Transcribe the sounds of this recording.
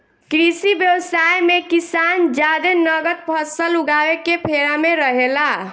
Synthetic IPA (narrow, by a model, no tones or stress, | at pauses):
kɾisibjəwsajmekisand͡ʒad̪enəɡət̪̚pʰəsəluɡawekepʰeɾameɾəɦela